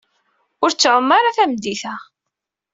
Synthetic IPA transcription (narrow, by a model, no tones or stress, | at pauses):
ʊɾt͡sːʕəmːaɾaθæmd̪iθæ